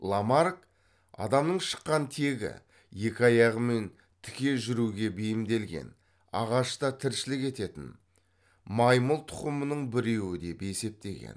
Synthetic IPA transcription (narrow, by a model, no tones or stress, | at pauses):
lˠamaɾk | ɑ̰d̪ɑmnəɴʃə̥qːɑnt̪ʰe̞ɡʲɪ̰ | je̞kʲɪɑjɑʁəme̞n | t̪ʰɪ̥kʲe̞ʒʏɾuɡʲe̞bejɪmd̪e̞lɡʲe̞̰n | ɑ̰ʁɑʃt̪ɑt̪ʰɪɾʃɪlɪke̞t̪e̞t̪ɪ̰n | mɑjməlˠt̪ʰʊ̥qəmənəɴbɪɾe̞wɪd̪e̞pe̞se̞p̚t̪e̞̰ɡʲe̞̰n